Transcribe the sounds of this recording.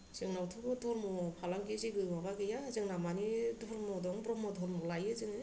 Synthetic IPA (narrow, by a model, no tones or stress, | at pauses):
sɯŋnawtʰɯbɯdɔɾmɔpʰalaŋɡiziɡɯmabaɡɯjazɯŋnamanidɔɾmɔdɔŋbɾɔmɔdʱɔɾmɔlajɯzɯŋɯ